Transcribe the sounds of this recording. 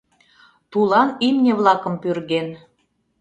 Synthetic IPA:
t̪ulˠɑnimnʲeβlˠɑkə̆mpyrɣen

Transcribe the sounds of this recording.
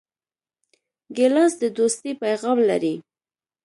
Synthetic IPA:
ɡɪlɑsd̪əd̪ost̪ipajɣɑmla̰ɾi

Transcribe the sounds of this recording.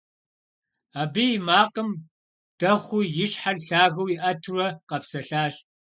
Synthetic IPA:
aːbijmaːqʼəm | d̥ɐχʷʊjɪʂħaɮɬaːɣɐwjiʔɐtʰrɐqɐpsɐɬaːɕ

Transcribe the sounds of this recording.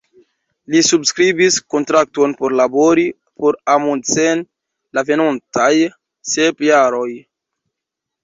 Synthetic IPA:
lisubskɾibisko̞ntɾak̚to̞npo̞ɾlaboɾi | poɾamont͡sen | lave̞nontaj | sepjaɾo̞j

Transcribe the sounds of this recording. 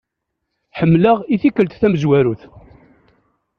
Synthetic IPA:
ħəmːləʁiθikəlt̪θæməzwæɾuθ

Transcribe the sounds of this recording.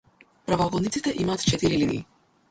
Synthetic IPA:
pɾavɔɡɔd̪nit̪sit̪ɛʔimaːt̪t͡ʃɛt̪iɾilinḭː

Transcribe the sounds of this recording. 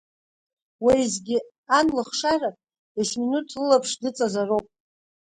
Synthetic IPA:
waizɡʲɪ | anlɨχʂara | esminutʰlɨlapʰʂdɨt͡sʼazarowpʼ

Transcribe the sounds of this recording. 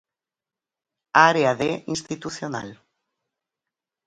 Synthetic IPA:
aɾeaðeʔĩnst̪it̪uθjona̰l

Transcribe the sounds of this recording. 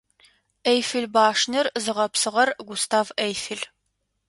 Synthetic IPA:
ejfɨɮbaːʂnɨrzɨʁɐpsɨʁɐrɡʷʊstʰaːvɐjfɨɮ

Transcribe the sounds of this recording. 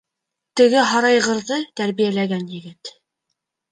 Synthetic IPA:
t̪ɘ̆ɡɘɦɑɾɑjʁɤ̆ɾðɤt̪æɾβijælæɡænjɘ̆ɡɘt̪

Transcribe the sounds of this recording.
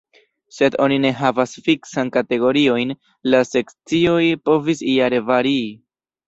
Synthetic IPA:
se̞do̞nine̞ɦavasfiksankate̞ɡo̞ɾio̞jn | lase̞kt͡sio̞jpo̞visiaɾe̞vaɾiː

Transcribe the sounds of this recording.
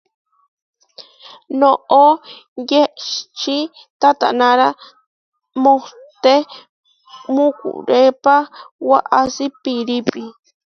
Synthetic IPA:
noʔojeʃt͡ʃi | t̪at̪a̰naɾa | moh | t̪e | mukṵɾepawaʔasipiɾipi

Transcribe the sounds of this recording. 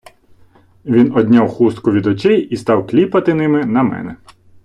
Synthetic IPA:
ʋʲinɔd̪ʲnʲawxust̪kʊʋʲid̪ɔt͡ʃʲɛjist̪ɑwklʲipɐt̪ɪnɪmɪnɐmɛ̰nɛ̰

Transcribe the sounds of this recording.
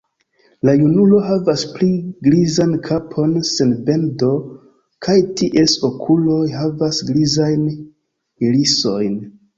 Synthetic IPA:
lajunulo̞ɦavaspliɡɾizankʰapʰo̞nse̞nbe̞ndo̞ | kʰajtʰiʔe̞so̞kʰulo̞jɦavasɡɾizajn | miliso̞jn

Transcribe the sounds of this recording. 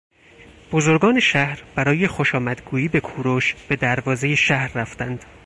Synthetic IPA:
b̥ozoɾɡɒːne̞ʃæhɾb̥æɾɒːje̞xo̞ʃɒːmæd̪̥ɡuːjiːbe̞kʰuːɾoʃb̥e̞d̪æɾvɒːze̞jeʃæhɾːæft̪ænd̪̥

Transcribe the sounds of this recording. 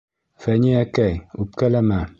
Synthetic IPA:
fæniækæjup̚kælæmæ

